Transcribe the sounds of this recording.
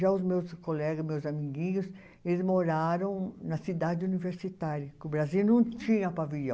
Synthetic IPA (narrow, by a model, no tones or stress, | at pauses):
ʒaʊzmewskolɛɡɐzmewzamiɡĩɲʊs | elɪzmoɾaɾɐ̃w̃nɐsid̪ad͡ʒɪuniveɾsit̪aɾjɐkɪʊbɾaziwnɐ̃w̃t͡ʃĩɲɐpaviʎɐ̃w